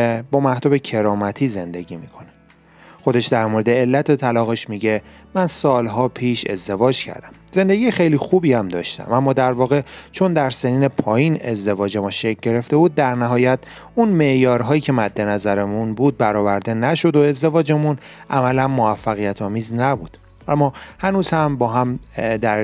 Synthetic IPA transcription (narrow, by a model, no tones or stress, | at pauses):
ebɒːmæht̪ɒːbe̞cʰe̞ɾɒːmæt̪ʰiːze̞nd̪e̞ɟimiːkʰo̞ne | xo̞d̪e̞ʃd̪æɾmoɾed̪eːlːæt̪ʰe̞t̪ʰælɒːɣe̞ʃmiɟe̞ | mænsɒːlɦɒːpʰiːʃe̞̰zd̪e̞vɒːd͡ʒcʰæ̰ɾd̪æmze̞nd̪e̞ɟijexejlixubiːæmd̪ɒ̰ːʃt̪æ̰mʔæmːɒːd̪æɾvɒːɣe̞t͡ʃʰo̞nd̪æɾse̞niːne̞pʰɒːjine̞zd̪e̞vɒːd͡ʒe̞mɔʃecʰɟe̞ɾe̞ft̪e̞buːd̪̚ːæɾnæɦɒːjæt̪ʰ | unme̞ʔjɒːɾɦɒːjiːcʰe̞mæd̪ːe̞næzæɾemunbuːd̪̚bæɾɒːvæɾd̪e̞næʃo̞d̪o̞e̞zd̪e̞vɒːd͡ʒemunʔæmælænmo̞æfːæɣijæt̪ʰɒːmiːznæbuːd̪̥ | ʔæmːɒːhænuːz̥hæmbɒːɦæmd̪æɾ